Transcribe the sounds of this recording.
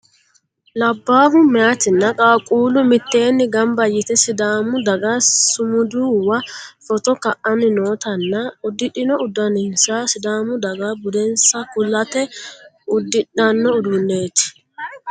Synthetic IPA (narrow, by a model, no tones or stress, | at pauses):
lɐbːaːɦʊmːɛat̪ɪnːɐkʼaːkʼuːlʊmɪt̪ːe̞ːnːɪɡɐmbɐjːɪt̪ɛsɪd̪aːmʊd̪ɐɡɐsʊmʊd̪uːwɐfɔt̪ɔkɐʔɐnɪnoːt̪ɐnːɐʊd̪ːɪᶑɪnɔʊd̪ɐnɪnsasɪd̪aːmʊd̪ɐɡabʊd̪ɛnsɐkʊlːɐt̪ɛ | ʊd̪ːɪᶑɐnːɔʊd̪ʊnːeːt̪ɪ̥